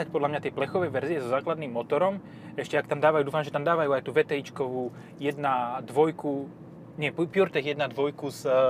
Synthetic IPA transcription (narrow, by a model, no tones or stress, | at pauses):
ac̚pɔd̪lamɲat̪ɪɛplɛxɔʋɛjʋɛɾziɛzɔzaːklad̪niːmːɔt̪ɔɾɔm | ɛʃcɛakt̪amd̪aːʋajud̪uːfamʒɛt̪amd̪aːʋajuːajt̪uːʋɛt̪ɛit͡ʃkɔʋuː | jɛd̪nad̪ʋɔjku | ɲɛppjuɾt̪ɛɣjɛd̪nad̪ʋɔjkuz